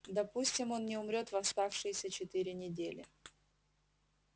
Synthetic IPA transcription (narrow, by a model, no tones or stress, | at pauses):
d̪ɐpusʲtʲɪmo̞nnʲɪʊmɾʲo̞t̪vɐst̪afʂɨjɪsʲət͡ɕɪt̪ɨɾʲɪnʲɪdʲelʲɪ̰